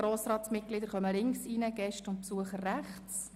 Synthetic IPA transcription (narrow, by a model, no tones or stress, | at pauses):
ɾoːsɾɑːtsmɪt̚klɪd̪əɾχœməlɪŋksinəɡ̥ɛʃtʊnt̚psuəχərːæχt͡s